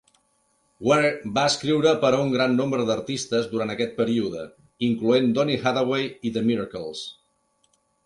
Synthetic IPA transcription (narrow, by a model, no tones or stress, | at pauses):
wɛɾbaəskɾiwɾəpəɾəuŋɡɾanːombɾəðəɾt̪ist̪əzd̪uɾant̪əkɛt̪̚pəɾiuðə | iŋkluend̪ɔnixaðəwejiðəmiɾəkəlˠs